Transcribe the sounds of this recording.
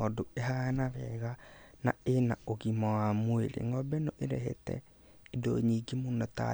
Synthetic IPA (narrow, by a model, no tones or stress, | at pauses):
ɔdoeɦanaβɛɣana̰ena̰oɣimɔwamweɾḛŋɡɔbɛnoʔeɾɛɦḛtɛ̰ | edoɲiɡimunɔta̰